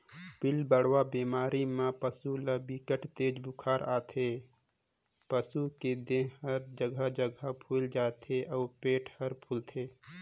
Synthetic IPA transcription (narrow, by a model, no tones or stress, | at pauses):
bɪlbəɽwabiːmaːɾimãpəsulabikəʈt̪eːd͡ʒbʱʊkʰaːɾa̰ːt̪ʰeː | pəsuked̪ẽɦɦəɾd͡ʒəɡʱəd͡ʒəɡʱəpʰuːld͡ʒaːt̪ʰeʔɔːɾpeːʈʰhəɾpʰʊlt̪ʰeː